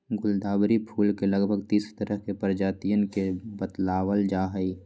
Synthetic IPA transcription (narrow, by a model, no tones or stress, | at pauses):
ɡʊld̪aːbɾipʰuːlkelɐɡbʱəɡt̪iːst̪əɾəɦkepəɾd͡ʒaːt̪ijənkebət̪laːwəld͡ʒaːɦəi